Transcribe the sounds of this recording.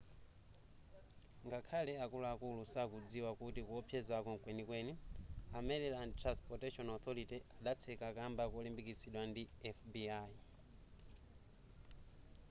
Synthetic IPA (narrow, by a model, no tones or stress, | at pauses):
ŋɡakʰalɛakulaakulusakud͡ziwakutikuɔpʰjɛzakɔŋkwɛnikwɛniamɛlɛlantɾanspɔtɛʃɔnɔθɔɾitiaɗat͡sʰɛkakambakɔlimbikisiɗwandiɛfbiai